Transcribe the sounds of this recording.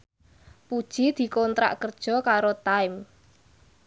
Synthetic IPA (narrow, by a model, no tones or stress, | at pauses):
pud̥ʒ̥i̤d̪̥i̤kɔnt̪ɾa̰ʔkərd̥ʒ̥ɔ̤kaɾot̪aɪm